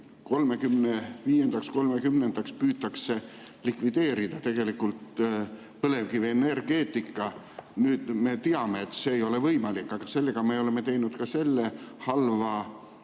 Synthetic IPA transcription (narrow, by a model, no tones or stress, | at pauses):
ko̞lme̞kymneviːje̞nd̪̥ɑksko̞lme̞kymnend̪̥ɑkspyːt̪ːɑkse̞ | likvid̪e̞ːɾid̪̥ɑt̪e̞ɡ̥e̞likːˑult̪ | pɤle̞vkiveenerɡ̥e̞ːt̪ːˑikːˑɑ | nyːd̪̥me̞t̪iɑme̞ːt̪ːse̞ːjo̞le̞vɤjmɑlikːˑɑɡ̥ɑse̞lːe̞ɡ̥ɑme̞o̞le̞mːe̞t̪e̞jnud̪̥kɑse̞lːe̞hɑlvɑ